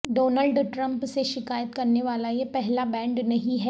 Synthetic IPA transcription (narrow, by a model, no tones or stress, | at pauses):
ɖoːnəlɖʈɾɐ̃mpseʃɪkaːjət̪kɐɾneʋaːlajepɛɦlabɛ̃ːɳɖnɐɦĩɦɛ